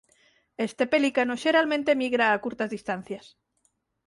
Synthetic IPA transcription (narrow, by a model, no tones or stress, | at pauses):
est̪epelikanoʃe̞ɾalmẽnt̪e̞miɣ̞ɾaːkuɾt̪azðist̪an̟θjas